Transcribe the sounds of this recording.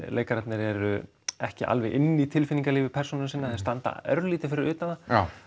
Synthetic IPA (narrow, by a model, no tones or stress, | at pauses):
leːjkaɾat̪nɪɾɛɾʏ | ɛhcɪʔa̰lvɛɣʔɪnːit̪ʰɪlfɪniŋkaliːvɪpʰɛr̥unʏnasɪnːaθst̪ant̪a̰œɾliːt̪ɪfɪɾɪɾʏːt̪ana